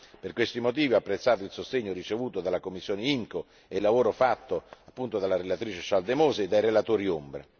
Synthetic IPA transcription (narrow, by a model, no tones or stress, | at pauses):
perkwest̪imot̪̬iːviapːɾet̪sːaːt̪oilsost̪eɲːorit͡ʃevuːt̪od̪alakomːisːjoːneiŋko | elːavoːɾofat̪ːoapːunt̪od̪alaɾelat̪ɾiːt͡ʃeʃald̪emoːzeːd̪ːajɾelat̪oːɾiombɾḛ